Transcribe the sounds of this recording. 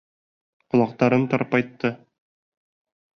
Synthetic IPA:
qŏlˠɑq̚t̪ɑɾɤnt̪ɒɾpɒjt̪ːɤ

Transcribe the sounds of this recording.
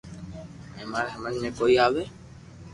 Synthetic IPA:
ẽːmaːɾsəməd͡ʒʱmẽːkoːiːaːʋeː

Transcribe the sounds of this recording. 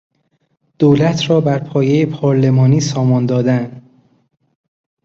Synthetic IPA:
d̪̥oːlæt̪ʰɾɒːbæɾpʰɒːjejepʰɒːɾle̞mɒːniːsɒːmɒnd̪ɒːd̪ænd̪

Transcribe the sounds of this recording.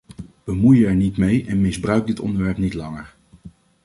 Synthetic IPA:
bəmujəɛɹnitmejʔɛnmɪzbrœɥkɡ̚dɪtɔ̰ndəɹʋɛɹpnitlɑŋəɹ

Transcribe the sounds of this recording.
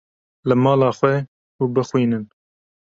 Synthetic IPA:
lɨmɑːlɑːxwɛ | uːbəxwiːnɨn

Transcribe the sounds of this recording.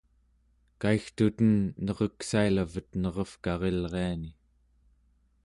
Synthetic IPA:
kaixt̪ut̪ənːʌʁʌksailavət̪nʌʁʌfkɑʁe̞lʁe̞ani

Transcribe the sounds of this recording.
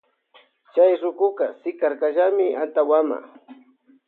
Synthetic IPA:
t͡ʃajɾʊkʊkasɪkaɾkaʒamɪant̪awama̰

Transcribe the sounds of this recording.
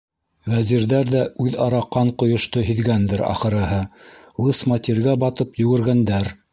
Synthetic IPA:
væziɾðæɾðæʉðɑɾɑqːɑɴqŏjŏʃt̪oɦĭðɡænd̪ɘɾɑ̰χɤ̆ɾɤ̆ɦɤ | lˠɤsmɑt̪iɾɡæbɑt̪ɤpjɵ̆ɡɘ̆ɾɡænd̪æɾ

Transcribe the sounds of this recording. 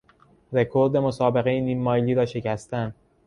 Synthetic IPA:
ɾe̞kʰo̞ɾd̪e̞mosɒːbe̞ɣe̞jeniːmːɒːjliːɾɒːʃe̞cæst̪ænd̪̥

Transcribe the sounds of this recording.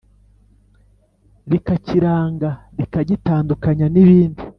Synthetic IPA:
ɾikaciɾaːŋɡa | ɾikaɟitaːndukaɲaniβiːndi

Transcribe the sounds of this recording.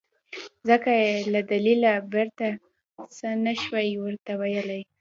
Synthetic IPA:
zəkajelad̪alilabeɾt̪a | sənaʃwajwəɾt̪awajəlaj

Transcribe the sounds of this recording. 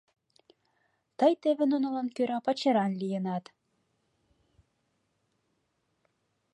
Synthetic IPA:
t̪ɤjt̪eβĕnonŏlɑnkøɾɑpɑt͡ɕɤɾɑnlʲijə̆nɑt̪

